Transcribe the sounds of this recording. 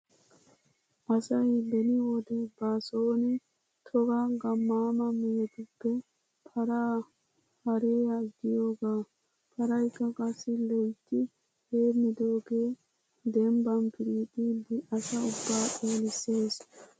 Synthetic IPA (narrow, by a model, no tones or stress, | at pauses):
ʔɐsɐjbɛnɪwɔd̪ɛbaːsoːnɛ | t̪ʰɔɡaɡɐmːaːmɐmijt̪ʊbːɛ | pʰɐɾaː | hɐɾeːɐɡɪjoːɡaː | pʰɐɾɐjkːɐkʼɐsːɪlɔjt̪ːɪ | heːmːɪd̪oːɡeː | d̪ɛmbɐnpɪɾiːt̪ʼiːdɪʔɐsɐʊbːaːʔoːlɪsːeːs